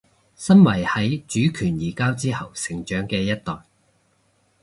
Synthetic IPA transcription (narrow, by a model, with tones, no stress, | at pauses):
sɐ˥nwɐ˨˩jhɐ˨˥jt͡ʃyː˨˥kʰyː˨˩njiː˨˩kaː˥wt͡siː˥hɐ˨wsɪ˨ŋt͡ʃœː˨˥ŋkɛː˧jɐ˥t̚t̪ɔː˨j